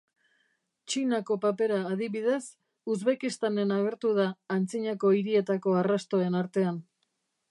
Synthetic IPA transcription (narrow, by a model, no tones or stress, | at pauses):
t͡ʃinako̞pape̞ɾaːðiβið̞e̞s | uzβe̞kist̪ane̞naɣ̞e̞ɾt̪uð̞aːnt͡siɲako̞iɾie̞t̪ako̞arast̪o̞e̞naɾt̪e̞an